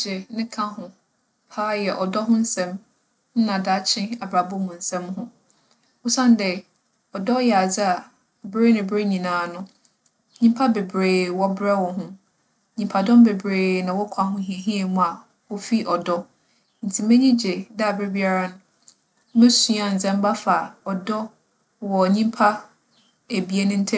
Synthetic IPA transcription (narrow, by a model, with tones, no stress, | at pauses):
d͡ʑɛ˨nɪ̃˦kʰã˦ɦʊ̃˨ | pʰaː˦jɛ˨ʔɔ˨dɔ˦ɦʊ̃˦n̩˦sɛ̃˦m | n̩˦nã˨da˦t͡ɕʰɪ̃˦a˨bɾa˨bʊ˦hʊ̃˨n̩˨sɛ̃˦mɦʊ̃˦ | ʊ˦sã˦n˦dɛ˨ | ɔ˨dɔ˦jɛ˨a˨d͡zɪ˦a˨ | bɾe˦nɪ̃˨bɾe˦ɲĩ˨nãː˨˦nʊ̃˦ | ɲĩ˦mpʰa˦be˨bɾeː˨wɔ˦bɾɛ˦wɔ̃˨ɦʊ̃˦˨ | ɲĩ˨mpʰa˨dɔ̃˦m˦be˨bɾeː˨nã˨wɔ˦kʷʰa˨hʊ̃˦ɦĩ˨e˨ɦĩ˦e˨mʊ̃˦a˨ | wɔ˦fi˦ʔɔ˨dɔ˦ | n̩˨tʰi˨mɛ̃˦ɲĩ˦d͡ʑe˨da˦a˨bɾe˦bi˦a˨ɾa˦nʊ̃˦ | mɛ̃˦su˦a˨n̩˨d͡zɛ̃˦m˦ba˦fa˨ɔ˨dɔ˦ | wɔ˨ɲĩ˦mpʰa˦ | æ˨bi˨˦e˦nʊ̃˦n̩˦tʰɛ˦